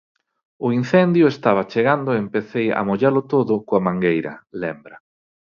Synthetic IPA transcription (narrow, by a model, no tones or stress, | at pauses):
ʊin̟θɛnd̪jʊest̪aβ̞ɐt͡ʃeɣand̪ʊeempeθejɐ̰moʎalʊt̪oðʊkoamãŋɡejɾɐ̰lɛmbɾɐ